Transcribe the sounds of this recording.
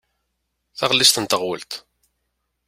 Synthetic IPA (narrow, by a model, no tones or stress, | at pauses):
θæʁlːist̪ənt̪əʁwə̰lt̪